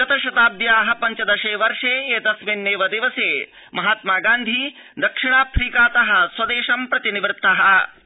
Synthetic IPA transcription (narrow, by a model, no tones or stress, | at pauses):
ɐt̪ɐʃɐt̪aːbjaːɦɐpɐɲt͡ʃɐd̪ɐʃeːʋɐɾʂeːeːt̪ɐsʋenːeːʋɐd̪iʋɐseː | mɐɦaːt̪̚maːɡaːnd̪ʱi | d̪ɐkʂiɳaːpʰɾiːkaːt̪ɐɦɐswɐd̪eːʂɐmpɾɐt̪iniʋɾt̪ʰːɐɦɐ